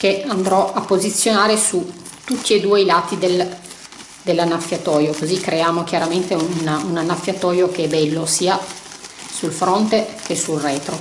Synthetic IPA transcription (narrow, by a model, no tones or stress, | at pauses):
keand̪ɾɔʔapːozit̪sːjonaːɾesu | t̪ut̪ːied̪uːeilaːt̪id̪el | d̪elːanːafːjat̪ɔːjokozikːɾeaːmok̟jaɾament̪eununanːafːjat̪ɔːjokeɛbɛlːosiːa | sulfɾont̪ek̟esulrɛːt̪ɾo